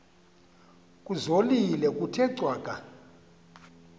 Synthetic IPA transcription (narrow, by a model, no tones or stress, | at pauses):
kʼuzolilɛkʼutʰɛǀwaːkʼa